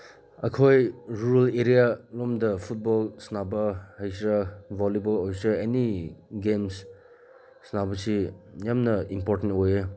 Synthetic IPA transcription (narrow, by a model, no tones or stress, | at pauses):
ɐkʰojɾuɾɐleɾijalomdɐpʰut̚bolsnabɐhɐjsɾɐbʱolibolojsɾɐeniɡems | snabɐsijamnɐimpoɾtentoje